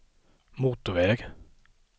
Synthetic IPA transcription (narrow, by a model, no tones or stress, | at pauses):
mut̪ʊʋeːɡ